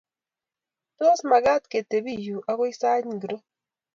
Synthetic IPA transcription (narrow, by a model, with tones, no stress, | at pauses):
to˦sma˨ɡa˦t̪ke˨te˨bi˦˨ju˨ʔa˦ko˦i˦sa˦ɲ˨ɡɾo˦